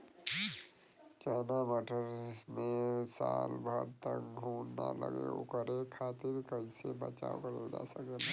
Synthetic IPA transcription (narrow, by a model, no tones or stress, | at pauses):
t͡ʃaːnabəʈʰəɾmesaːlbʱəɾt̪əkɡʱuːnnaləɡeʊkəɾekʰaːt̪iɾkəisebət͡ʃaːokəɾəld͡ʒasəkela